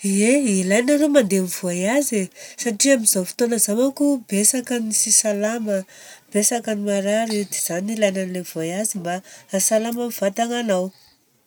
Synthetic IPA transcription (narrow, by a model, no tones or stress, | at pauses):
eilajnəɾomand̪emiv̥ajazesaʈ͡ʂiamiz̥afi̥t̪onəzamakubesakanisisalaməb̥esakanimaɾaɾid̪ez̥anilajnanilev̥oajazimbaasalaməmiv̥at̪aŋanaw